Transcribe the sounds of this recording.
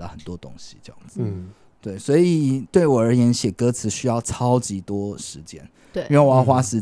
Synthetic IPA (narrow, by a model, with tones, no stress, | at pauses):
ə˨˩xə˨˩nt̪wɔ˦t̪o˥ŋɕi˧ʈ͡ʂɤ˥jɑ̰˥˩ŋd͡z | t̪we˥˩ɪswɔ˧˥i˨˩t̪we˥˩ɪwɔ˨˩ə˞˧˥jɛ˧˥nɕjɛ˨˩kɤ˦t͡sʰɹ̩˨˧˥ɕy˥jɑ˥˩ʊt͡sʰɑ˦˥ʊt͡ɕi˧˥t̪wɔ˥ʂɻ̩˧˦t͡ɕjɛ̰˥n | y˥˧we˥˩˨ɑ˥˧xwa˥ʂɻ̩˧˥